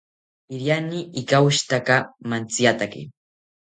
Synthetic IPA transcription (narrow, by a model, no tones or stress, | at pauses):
ɪɾjaniɪkaʊʃt̪akamant͡sjat̪akḭ